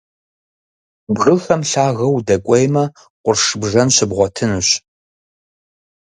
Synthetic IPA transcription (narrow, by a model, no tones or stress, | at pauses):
bʁɨxɐmɬaːɣɐwdɐkʷʼɔjmɐ | qʷʊrʂɨbʐɐnɕɪbʁʷɔtʰɨnɨɕ